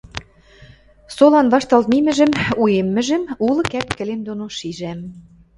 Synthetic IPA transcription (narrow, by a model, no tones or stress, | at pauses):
solɑnβɑʃt̪ɑlt̪mimɘ̆ʒɘ̆mujemːɘ̆ʒɘ̆mulˠɤ̆kæp̚kɘ̆lemd̪onoʃiʒæm